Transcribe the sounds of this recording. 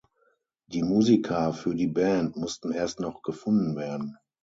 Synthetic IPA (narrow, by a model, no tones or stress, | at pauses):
d̥iːmuːzikʰɐfyːɐdiːbɛːntmʊstn̩eːɐstnɔχɡ̥əfʊndn̩veːɐdn̩